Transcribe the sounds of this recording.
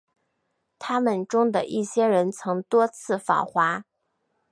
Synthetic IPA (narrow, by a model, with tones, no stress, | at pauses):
t̪ʰa˥mə˨nʈ͡ʂʊ˥ŋd̪ə˨ʔi˥˩ɕjɛ˥ɻə˧˥nt͡sʰɤ˧˥ŋt̪wɔ˥t͡sʰɹ̩˥˩fɑ̰˨˩ʊxwa˧˥